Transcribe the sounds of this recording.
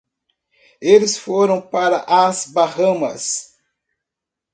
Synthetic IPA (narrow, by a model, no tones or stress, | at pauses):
elɪsfoɾɐ̃w̃paɾɐʔazbahɐ̃mɐs